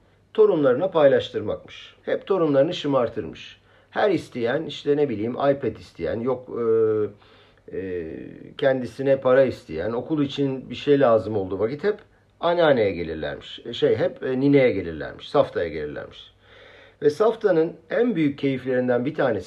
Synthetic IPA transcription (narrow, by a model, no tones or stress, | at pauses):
t̪ʰo̞ɾunlˠaɾɯnapʰajlˠaʃt̪ʰɯɾmakmɯʃhɛpt̪ʰo̞ɾunlˠaɾɯnɯʃɯmaɾt̪ʰɯɾmɯʃ | hæɾist̪ʰijæniʃt̪ʰɛne̞bilʲiːmʔa̰jpʰɛt̪ist̪ʰijæ̰njokː | cʰɛnd̪isinɛpʰaɾaist̪ʰḭjæno̞kulˠit͡ʃʰinbiʃejlʲaːzɯmo̞lˠd̪uvacit̪hɛp | anʲaːnejɛɟe̞lʲḭɾlʲæ̰ɾmiʃʃejɦɛpːnine̞jɛɟe̞lʲḭɾlʲæ̰ɾmi̥ʃsaft̪ʰaja̰ɟe̞lʲḭɾlʲæ̰ɾmi̥ʃ | vɛsaft̪ʰanɯnænbyjyc̚ʰːe̞jiflʲe̞ɾind̪ænbit̪ʰaːne̞s